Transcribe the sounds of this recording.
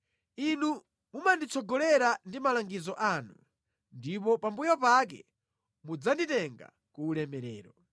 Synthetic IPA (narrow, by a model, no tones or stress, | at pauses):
inu | mumandit͡sʰɔɡɔlɛɾandimalaŋɡizɔʔanu | ndipɔpambujɔpakɛ̰ | mud͡zanditɛŋɡa̰ | kuːlɛmɛɾɛ̰ːɾɔ